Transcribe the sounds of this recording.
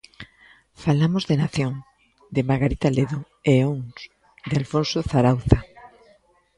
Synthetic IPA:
falamozðenaθjõŋ | d̪emaɣaɾit̪aleðo | eoŋs | d̪ealfõnsoθaɾawθa

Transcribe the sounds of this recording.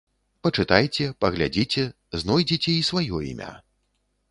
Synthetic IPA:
pɐt͡ʂɨt̪ajt͡sʲɛpɐɣlʲad͡zʲit͡sʲɛ | znɔjd͡zʲit͡sʲɛisvajɔḭmʲa̰

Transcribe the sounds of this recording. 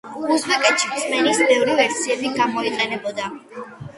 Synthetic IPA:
uzbɛkʼɛt̪ʃimsmɛnisbɛvɾivɛɾsiɛbiɡamɔiqʼɛnɛbɔd̪a

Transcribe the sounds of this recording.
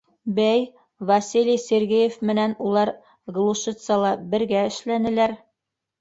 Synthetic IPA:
bæj | vɐsʲilʲijsʲerɡijefmɘ̆nænulˠɑɾ | ɡlˠuʃɤt̪sɑlˠɑbɘ̆ɾɡæɘ̆ʃlænɘ̆læɾ

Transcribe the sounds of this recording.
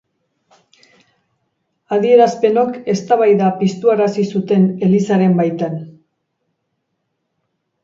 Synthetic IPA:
að̞ie̞ɾaspe̞no̞ke̞st̪aβ̞ajðapist̪uaɾasisut̪e̞ne̞lisaɾe̞mbajt̪an

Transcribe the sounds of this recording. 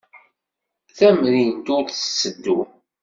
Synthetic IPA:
θæmɾint̪ʊθsːəd̪ːu

